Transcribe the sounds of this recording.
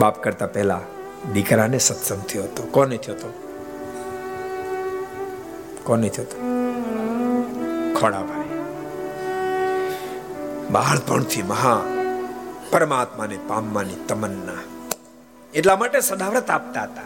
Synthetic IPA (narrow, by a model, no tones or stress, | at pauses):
bapkəɾt̪apɛɦla̰ | d̪ikɾanesət̪sənt̪ʰəjoɦət̪okɔneit̪ʰiot̪o | kɔnət̪ʰiɦət̪o̥ | kʰɔɽa̰pane | ba̰əɾd̪bʱə̰ɳ̃t̪ʰiməɦa | pəɾəmat̪manepamːanit̪əmənːa | eʈlamaʈesəd̪ʱaʋɾət̪ap̚t̪aɦət̪a